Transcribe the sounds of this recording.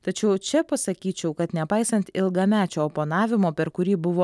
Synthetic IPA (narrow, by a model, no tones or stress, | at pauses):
t̪ɐt͡ʃʲɛʊt͡ʃʲɛpɐsɐkʲiːt͡ʃʲɛʊkɐt̪nʲɛpɐɪsɐnt̪ɪlˠɡɐmʲæːt͡ʃʲoːopoːnɑːʋʲɪmoːpʲɛɾkʊɾʲiːbʊʋoː